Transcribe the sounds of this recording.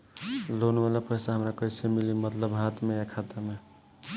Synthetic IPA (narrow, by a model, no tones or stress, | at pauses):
lonʋalapəjsaɦəmɾakəisemilimət̪ləbɦat̪ʰmeekʰat̪ame